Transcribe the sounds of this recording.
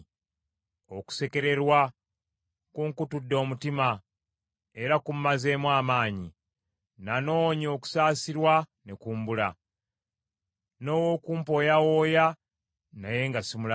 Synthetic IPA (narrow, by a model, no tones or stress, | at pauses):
o̞ku̥se̞ke̞ɾe̞ɾwa | kuŋkutudːo̞ːmutima | e̞ɾakummaze̞ːmwaːmaːɲḭ | nano̞ɲio̞ku̥saːsiɾwane̞kuːmbula | no̞ːwoːkuːmpo̞ːjawo̞ːja | naje̞ŋɡasimula